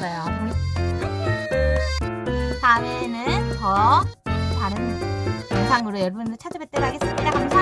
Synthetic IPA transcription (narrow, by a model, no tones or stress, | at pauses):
sʌjo | sawenɯntʌ | taɾɯnansʰaŋɯɾojʌɾʌbundot͡ɕʰad͡ʑʌbet͈eɾɦaɡe̞s͈ɯmɲidahansʰa